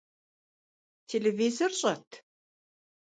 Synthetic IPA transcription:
tʲʰelʲevizorʒɑt̪

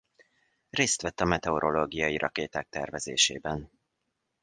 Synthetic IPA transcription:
reːst̪ʋɛt̪ːɒmɛt̪ɛoɾo̞loːɡijɒjiɾɒ̰keːt̪aːk̚t̪ɛ̰rvɛzḛːʃḛːbɛn

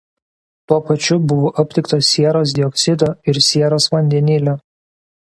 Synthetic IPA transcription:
t̪uɔpɐt͡ʃʲʊbʊʋoːʔɐpʲt̪ʲɪkt̪oːsʲiɛɾoːs̬d̪ʲɪɔksʲɪd̪oːɪɾsʲiɛɾoːsʋɐnʲd̪ʲɛnʲɪlʲoː

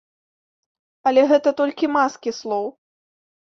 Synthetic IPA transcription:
ɐlʲɛɣɛt̪ɐt̪ɔlʲkʲimaskʲislˠɔw

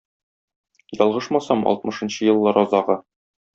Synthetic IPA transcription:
jɒlˠʁɤʃmɑsɑmɒ̰lt̪̚mɤ̆ʃɤ̆nɕɤjɤ̆lˠːɤɾɒzɑʁɤ

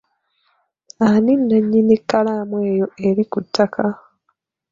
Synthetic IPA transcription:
aninːaɲːinikːalamwe̞ːjo̞e̞ɾikutʰːakʰa

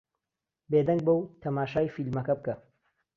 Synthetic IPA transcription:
bed̪ɐŋɡ̚bɐwt̪ʰɐmaːʃaːjfilmɐkɐb̚kɐ

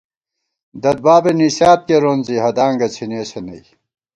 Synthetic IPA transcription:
d̪ɐd̪̚baːbeniɕaːt̪̚keɾonziɦɐd̪aːŋɡɐt͡sʰineːsenɐ̰j

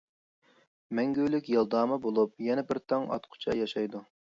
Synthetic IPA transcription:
mɛŋɡʲølykʲjɑlˠd̪ɑːmɨbolˠup̚jɛnɛbɪɾt̪ʰɑŋɑ̰t̪qʰʊ̥t͡ʃʰɑ̰jɑʃɑjd̪u

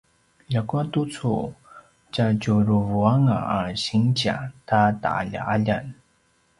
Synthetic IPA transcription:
ʎakuatut͡sʰu | t͡ɕat͡ɕuɾuvuaŋaaɕiŋt͡ɕa̰tata̰a̰ʎa̰ʔaʎan

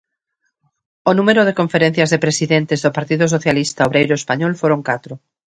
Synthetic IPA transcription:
onũmeɾoð̞ekoɱfeɾẽn̟θjazðepɾesiðent̪ezðopaɾt̪iðos̬oθjalist̪aoβɾejɾoespaɲɔlfoɾoŋkat̪ɾo

